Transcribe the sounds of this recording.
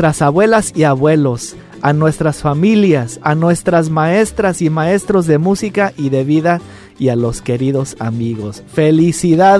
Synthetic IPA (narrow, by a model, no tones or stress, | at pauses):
t̪ɾasaβwe̞lasiaβwe̞lo̞s | anwe̞st̪ɾasfamiljasanwe̞st̪ɾazmae̞st̪ɾasimae̞st̪ɾo̞zðe̞musikaʔiðe̞βiða | ialo̞ske̞ɾiðo̞sa̰miɣo̞sfelisiða